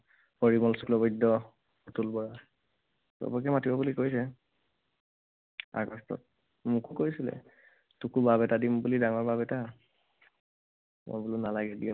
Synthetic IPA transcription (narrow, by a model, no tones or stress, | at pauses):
pɔɹimɔlsu̥kʰlɔbɔjdɔ | ɔtulbɔɹa | tɔ̰bɔkɛmatibɔbulikojsɛ | a̰ɡɔstɔ̰t̚ | mukukoisilɛ̰ | tukubabɛtadimbulidaŋɔɹbabɛta | mɔ̰bulʊnalaɡɛdi